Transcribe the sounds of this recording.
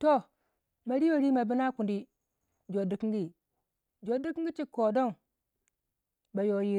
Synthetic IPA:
to˦˨ | ma˨ɾi˦wo˨ɾi˦ma˨bi˦na˦ku˨ndi˦ | d͡ʒo˨di˨ki˦ŋɡi˦ | d͡ʒo˨di˦ki˦ŋ˦ɡi˦t͡ʃi˦ko˨do˦ŋ | ba˨jo˨ji˦

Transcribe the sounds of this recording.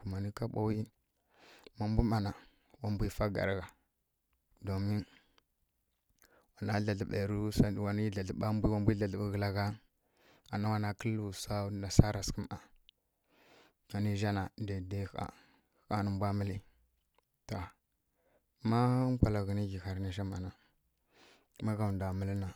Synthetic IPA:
u˨ma˨ni˦ka˦ɓa˦wi˦n | ma˦m˦bu˦ma˨na˨ | wa˦mbʷi˦fa˦ɡa̰˨ɾa˦ɣa˨ | do˨mi˦n | wa˨na˦ɮa˨ɮɓe˨ɾu˦sa˦˨wa˨ni˦ɮa˨ɮɓa˦mbi˦wa˦mbi˦ɮa˨ɮɓu˦ɣə˨la˦ɣa˦ | a˨na˦wa˨na˦kə˦lu˨sa˦na˨sa˦ɾa˨skə˦ma˨ | ŋa˨ni˦ʒa˦na˨da˨de˦a̰˨˦ | ka˦nə˦mbʷa˦mə˦li˦ | to˨ | ma˦kʷa˨la˨ɣə˨ni˦ɡi˨xa˨ɾni˨ʃ̬a˦ma˨na˨ | ma˦ɡa˨nda˨mə˦lna˨

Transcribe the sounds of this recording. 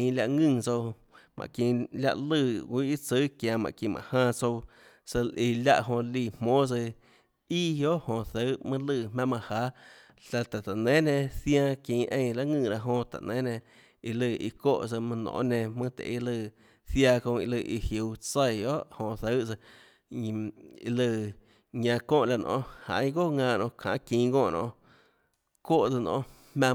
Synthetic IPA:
ĩ˧lʲja˧ʔŋɨ̃˧˨t͡so˧ | mʔã̰˨kĩ˧˨lja̰˧ʔlɨ˧˨wʷi˦i˦t͡sə˦kjã˨˧mã̰˨kĩ˧˨mʔã̰˨hãː˧t͡so˧w | sə˧lʔi˧˨lʲa̰˧ʔɦõ˧liː˧˨mmõː˦t͡sɨ˧ | i˦jo˦ʔhõ˧θə˦mɨ̃˦lɨ˧˨mã˦mã˧haː˨˦ | ɬa˧t̪a˨t̪a˨nẽ˦nẽ˧θjã˧kĩː˧ʔẽ˧j̃la˦ŋɨ̃ː˧˨ɾa˧ʔɦõ˧t̪a̰˨nẽ˨˦nẽ˧ | i˧lɨ˧˨ḭ˧koː˦˨ʔt͡sə˧mã˧nõ̰ː˧˨ʔnẽ˧mɨ̃˦t̪ḛ˨ʔi˧lɨ˧˨ | θja˧kõ˧i˧lɨ˧ʔi˧hju˨wt͡sə˧˨jo˦ʔhõ˧˨θə˦t͡sə˧ | i˧lɨ˧˨ | ɲã˧kõː˦˨la˧nʔõ̰˧ha̰˨ĩ˦ɡo˦˨ŋãː˧˨nõ˧˨kʰã̰ː˨ʔkĩ˧ɡõː˧˨nʔõ̰˧ | ko˦˨ʔt͡sɨ˧nʔõ̰˧ | mã˧

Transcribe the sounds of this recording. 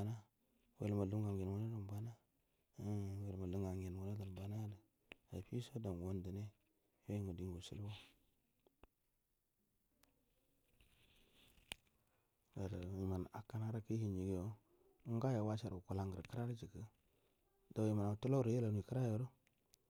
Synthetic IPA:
a˨na˦ | wḛ˨lma˨lu˦ɡa˨ŋɡe˨n˨wo˦no˦do˨m˨ba˦na˦˨ | we˨lma˨lu˦ŋɡa˨ŋɡe˨n˨wo˦na˦da˨n˨ba˨na˦də˨ | a˨pi˦so˦da˨n˨wo˦ndi˨ne˦ | e˦˨ŋɡə˨di˦ŋɡo˨sḭ˦lwo˦ | ɡa˨ɾi˨ma˨n˨a̰˨ka˨na˦ɾa˨ki˦hi˨nd͡ʒi˨ɡjo˦ | u˦ŋɡa˦ja˨wa˦t͡ʃa˨ɾu˨ku˨la˨ŋɡə˨ɾkə˦ɾa˦ɾi˦d͡ʒi˨kə˦ | da˨wji˨ma˨na˨tu˦lo˦ɾje˦la˨n˨i˨kə˦ɾa˦jo˨ɾo˦

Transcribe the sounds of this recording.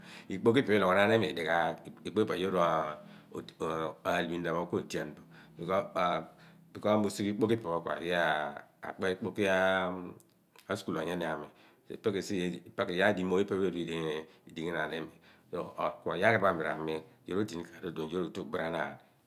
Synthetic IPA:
i˨k͡po˦ki˦pe˨˦lo˨ka˨na˨˦ne˦mḛ˨de˨ka˨i˨k͡po˦i˦a˨jo˦ɾo˦˨ | a˨li˨bi˨n˦da˨mo˨˦ko˦˨di˨a˨n˨bo˨ | bi˨ko˦˨ | bi˨ko˦a˦mo˨su˦ki˦k͡po˦ki˦pe˨o˦ka̰˨je˦a˨a̰˨k͡pe˦i˦k͡po˦ki˦a˦ | a˦sku˨la˨ɲe˦ne˨a˨me˨ | sḛ˨pe˦ke˨si˦jpa˦ke˨ja˦di˦mo˦ji˦e˦be˦di˨di˨di˨ŋe˦na˨ne˦me˨ | so˦˨kʷo˨ja˦ke˦ba˦˨i˨ɾa̰˨me˦jo˦ɾo˦di˨ni˦ka˨do˦˨do˨d͡ʒo˦ɾo˨to˦˨bi˦ɾa˦na̰˨n˨

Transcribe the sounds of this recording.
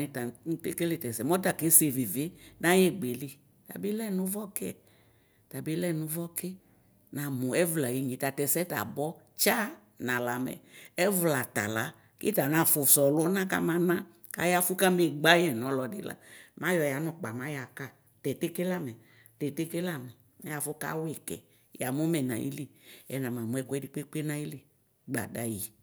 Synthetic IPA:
ni˨ta˨˦n̩˦te˦ke˦le˦˨tɛ˨sɛ˨mɔ˦ta˨ke˨˦se˨vi˨vɪ˦nã˦jɛ˦ɡ͡be˨li˨ | ta̰˨bi˦lɛ˦˨nʊ̃˦vɔ˦kɛ˦˨ | ta˨bi˦lɛ˦nʊ̃˧˦vɔ˦kɪ˦ | nã˨mu˨ɛ˦vla˨je˨˦ɲĩ˨ta˨tɛ˨sɛ˦ta̰˨bɔ˦ | t͡ʃa˦ | nã˨la˨mɛ̰˨ɛ˦vla˨ta̰˨la̰˦ | kɪ˦ta˨nã˨fʊ˨sɔ˨lʊ˦nã˦ka̰˦mã˨nã˦ | ka̰˨ja˦fʊ˦ka˦me˨ɡ͡ba˦jɛ˨nɔ˨˦lɔ˨dɪ̰˨la̰˦mã˦jɔ˨ja˨˦nɔ˦k͡pa˨mã˨˦ja˨ka˦˨ | tɛ˨te˦ke˦la˦mɛ˨ | tɛ˨te˦ke˦la˦mɛ˨ | na˨˦ja˨fʊ˦ka̰˦we˨kɛ̰˨ | ja˨mu˦mɛ˨nã̰˨jḭ˦li˦ɛ˨nã˨mã˨mu˨ɛ˦kʷɛ˦di˨k͡pe˦k͡pe˦nã˦i˦le˦ | ɡ͡ba̰˨da˨jḭ˨

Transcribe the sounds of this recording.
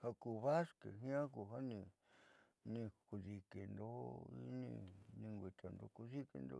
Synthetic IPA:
ha˧ku˧βa˦ske˨ɦĩ˦ã˦ku˧˨ɦa˦nĩ˧ | nĩ˧ku˧ði˧ke˨nd̪o˦ḭ˧˦nḭ̃˧nĩ˧ŋɡʷi˧t̪ʰa˨nd̪o˧ku˧ði˦kḛ˧nd̪o̰˧

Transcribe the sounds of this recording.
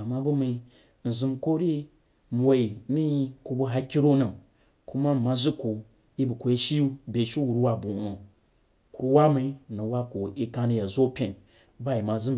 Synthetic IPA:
a˨ma˧bu˦mi˧ | n̩˨zɨ˧mko˦ɾi˦ | m˨wo˨i˨˦mi˦ku˨˧bu˧ɦa˧kʲi˦ɾo˦nɨ˨m | ku˦ma˦˨ma˧zu˦ku˨ | i˦bu˨ko˨i˦ʃi˦bʲe˨ʃi˦wu˨ɾwa˦bu˨no˨ | ku˨˦ɾu˦wa˦mi˧˨nu˨wa˦ko˨i˦ka˧ni˧ja˨zo˦pʲẽ˨n | ba˦˨i˨ma˨zɨ˦m

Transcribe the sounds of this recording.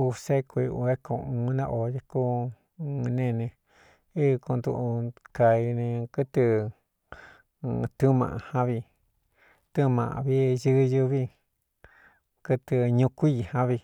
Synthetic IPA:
u˧se˦kʰʷu˧ṵ˧e˦kʰõ˧˨ũ˧˦nã˧˦ʔo˨je˧ku˦˧ | nẽ˦˧nẽ˧ | i˦˧kõ˧nd̪u˧ʔu˧ka˧i˧nẽ˧kɨ˦t̪ɨ˧ | t̪u˦mã̰˨ʔa˧hã˦βi˧ | t̪ɨ˦mã̰˨ʔa̰˧βi˦jɨ˦˧jɨ˧βi˦ | kɨ˧t̪ɨ˧ɲũ˧kʷi˦i˧˨hã˦βi˧

